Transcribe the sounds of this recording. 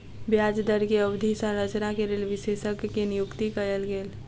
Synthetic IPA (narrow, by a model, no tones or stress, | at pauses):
bjaːd͡ʒd̪əɾkeəwd̪ʱisə̃ɾət͡ʃnakeɾeːlʋɪseːʃəkːenɪjʊkt̪ikəjəlɡeːl